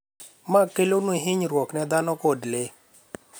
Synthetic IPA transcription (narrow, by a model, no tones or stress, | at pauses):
makelonweɦɪɲɾwɔknɛd̪anɔkodle